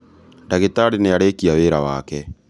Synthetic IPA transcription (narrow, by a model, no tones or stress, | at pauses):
ndaɣetaɾineaɾeːkiaweːɾawa̰kɛ